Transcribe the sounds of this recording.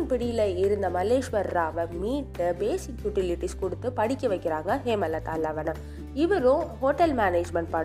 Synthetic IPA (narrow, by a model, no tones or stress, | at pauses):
npɪɽɪjɪlɐɪɾɯnd̪ɐmɐlːeːʂʋɐɾːaːʋɐmiːʈːbeːsɪkjuːʈɪlɪʈːiskʊɽɯt̪ːɯpɐɽɪkʲːɐʋɐɪkːɪɾaːŋɡɐɦeːmɐlːɐt̪aːlːɐʋɐnɐm | ɪʋɐɾõhoːʈɐlmaːneːd͡ʒmɐɳʈ̚pɐ